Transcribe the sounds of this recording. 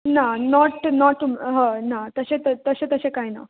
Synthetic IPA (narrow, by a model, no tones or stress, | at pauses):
nanɔʈnɔʈmɦə̃nat̪əɕẽt̪ət̪əɕẽt̪əsẽkajna̰